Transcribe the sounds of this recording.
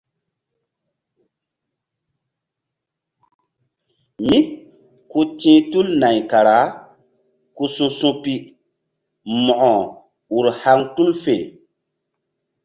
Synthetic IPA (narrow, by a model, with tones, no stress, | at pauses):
mi˦ | ku˦tĩː˦tu˦lna˨jka˨ɾa˨˦ | ku˦sũ˦sũ˦pi˦ | mɔ˨ʔɔ˨ | u˨ɾha˦ŋtu˦lfe˨